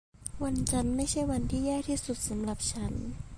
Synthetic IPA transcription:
wa˧nt͡ɕa˧nma˥˩jt͡ɕʰa˥˩jwa˧nt̪ʰiː˥˩jaː˥˩k̚t̪ʰiː˥˩su˨˩t̪̚sa˩˦mla˨˩p̚t͡ɕʰa˦˥n

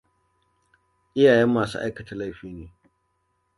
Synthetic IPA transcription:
ʔɪ˦jaː˨jɛ˦mːaː˨sṵː˦ʔa̰˦jkɐ˨ta˦la˦jɸiː˦neː˨

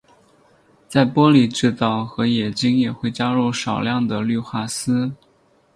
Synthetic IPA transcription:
t͡sa˥˩ɪpwɔ˥li˨˩ʈ͡ʂɻ̩˥˧t̪ɑ˥˩ʊxɤ˧˥jɛ˨˩t͡ɕi˥ŋjɛ˨˩xwe˥˩ɪt͡ɕja˥ɻu˥˩ʂɑ˨˩ʊljɑ˥˩ŋd̪ə˩ly˥˧xwa˥˩sɹ̩˥

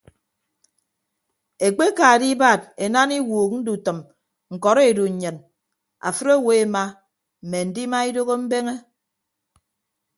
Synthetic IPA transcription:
e˨k͡pe˦ka˨di˦ba˦˨d̚e˨na˦ni˦wuː˨k̚n̩˦du˨tɨ˨m | ŋ̩˨kɔ˨ɾe˨du˨ɲ̩˨ɲɨ˨n | a̰˨fɨ˦ɾo˦˨we˨˦e˨˦ma˦ | m̩˨me˨n̩˨di˦ma˦i˦do˦ɣo˦m̩˦be˦ŋe˦

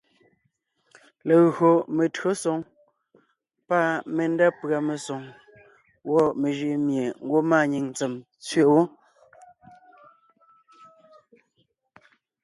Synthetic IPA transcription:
le˨ɣɰo˨me˨tɰo˦sɔ˨ŋ | pa˦˨me˨nda˦pɰa˨me˨sɔ˨ŋ | wɔ˦me˨ʒi˨mje˨ŋ̩˦ɡwo˦maː˦˨ɲi˨ŋnt͡se˨m | t͡sɥe˦˨˦wo˦

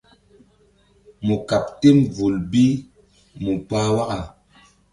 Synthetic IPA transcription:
mu˨ka˨p̚te˦mvu˨lbi˦ | mu˨paː˦wa˦ʔa˨

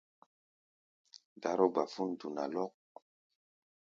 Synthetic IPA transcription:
da˨˦ɾo˦ɡ͡ba˨fu˦ndu˨na̰˨lɔ˦k̚

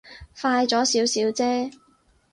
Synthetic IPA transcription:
faː˧jt͡sɔː˨˥siː˨˥wsiː˨˥wt͡sɛː˥

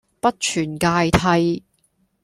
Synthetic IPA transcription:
pɐ˥t̚t͡ʃʰyː˨˩nkaː˧jt̪ʰɐ˧j

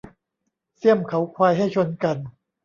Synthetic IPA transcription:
si˥˩əmkʰa˩˦wkʰwaː˧jɦa˥˩jt͡ɕʰo˧nka˧n

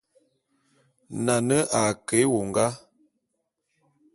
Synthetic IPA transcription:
na˨nə˦ʔa˨ke˨˦wo˨ŋ˨ɡa˦

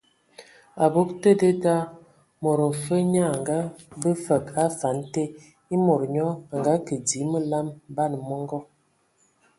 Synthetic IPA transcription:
a˨bo˦ktə˦də˦ta˦ | mo˨ɾə˨fə˦ɲa˦˨ŋɡa˦bə˦fə˨ka˦fa˨˦n˦te˦ | i˦mo˨ɾɲɔ˦a˨ŋɡa˦kə˨di˨˦mə˦la˦mba˦˨n˨mɔ˦ŋɡɔ˦

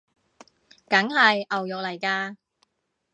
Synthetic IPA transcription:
kɐ˨˥ŋɦɐ˨jʔɐ˨wjʊ˨k̚lɐ˨˩jkaː˧

